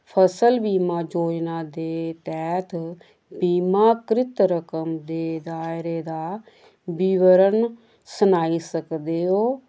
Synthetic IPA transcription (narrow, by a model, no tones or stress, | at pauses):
pʰəsəlbiːmaːd͡ʒoːd͡ʒnaːd̪eːt̪ɛːt̪ʰ | biːmaːkɾɪt̪ɾəkəmd̪eːd̪aːɪɾeːd̪aː | bɪʋəɾən | sənaːiːsəkd̪eːɦoː